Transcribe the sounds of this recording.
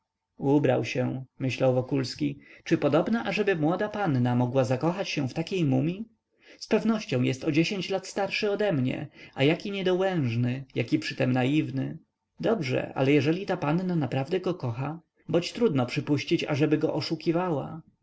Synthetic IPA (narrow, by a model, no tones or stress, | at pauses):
ubɾa̰wɕɛmɘɕlawvɔkulskʲit͡ʂɘpɔd̪ɔbnaʔaʐɛbɘmwɔd̪apanːamɔɡwazakɔxat͡ɕɕɛ̃ft̪akʲejmumʲi | spɛvnɔɕt͡ɕɔ̃w̃jɛst̪ɔd͡ʑeɕeɲt͡ɕlat̪st̪aɾʂɘɔd̪ɛmɲɛ̰ajakʲiɲɛd̪ɔwɛ̃w̃ʐnɘjakʲipʂɘt̪ɛmnajivnɘ̰ | d̪ɔbʐɛ̰ʔa̰lɛjɛʐɛlʲit̪apanːanapɾavd̪ɛɡɔkɔxa | bɔt͡ɕt̪ɾud̪nɔpʂɘpuɕt͡ɕit͡ɕa̰ʐɛbɘɡɔʔɔʂukʲivawa̰